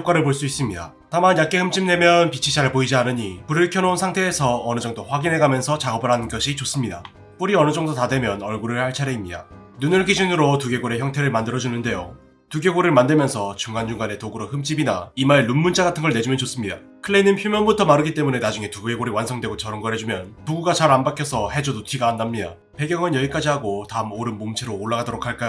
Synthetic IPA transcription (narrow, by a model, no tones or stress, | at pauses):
k͈waɾɯɭpoɭs͈uis͈ɯmɲida̰ | tamanjak̚k͈e̞hɯmt͡ɕ͈imne̞mjʌnpit͡ɕʰit͡ɕaɭboid͡ʑianɯɲipuɾɯɭkʰʌnounsʰaŋtʰe̞ːsʰʌːnɯd͡ʑʌŋdoɸwaɡinɦe̞ɡamjʌnsʰʌt͡ɕaɡʌbɯɾɦanɯnɡʌɕʰit͡ɕos͈ɯmɲida̰ | p͈oɾiʌnɯd͡ʑʌŋdotadwe̞mjʌnʌɭɡuɾɯɭhaɭt͡ɕʰaɾeimɲida̰ | nunɯɭkid͡ʑunɯɾotuɡe̞ɡoɾe̞çjʌŋtʰe̞ɾɯɭmandɯɾʌd͡ʑunɯnde̞jo | tuɡjeɡoɾɯɭmandɯɭmjʌnsʰʌt͡ɕuŋɡand͡ʑuŋɡane̞toɡɯɾohɯmt͡ɕ͈ibinaimaɾelunmunt͡ɕ͈aɡatʰɯnɡʌɭne̞d͡ʑumjʌnt͡ɕos͈ɯmɲida | kʰɯɭːeinɯnçjumjʌnbutʰʌmaɾɯɡit͈e̞mune̞nad͡ʑuŋe̞tuɡɡe̞ɡoɾiwansʰʌŋdwe̞ɡot͡ɕʌɾɯnɡʌɦe̞d͡ʑumjʌnpuɡuɡat͡ɕaɾanbakʰjʌsʰʌhe̞d͡ʑodotʰiɡaːndamɲida | pe̞ɡjʌŋɯnjʌik͈ad͡ʑiɦaɡotaɯmoɾɯnmomt͡ɕʰeɾoːɭːaɡadoɾokʰaɭk͈ajo